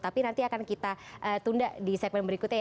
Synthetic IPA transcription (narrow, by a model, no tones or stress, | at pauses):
t̪apinant̪iakankit̪aʔət̪undaʔdisɛk̚mɛnbəɾikut̪ɲa